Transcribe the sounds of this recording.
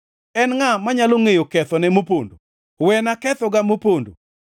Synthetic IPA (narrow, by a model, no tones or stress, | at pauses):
ɛnŋamaɲaloŋejokɛt̪ɔnɛmopondo̰ | wɛnakɛt̪ɔɡamopondo̰